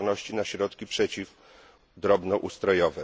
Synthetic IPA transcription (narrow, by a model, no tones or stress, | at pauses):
nɔɕt͡ɕinaɕɾɔt̪kʲipʂɛt͡ɕif | d̪ɾɔbnɔʔust̪ɾɔjɔvɛ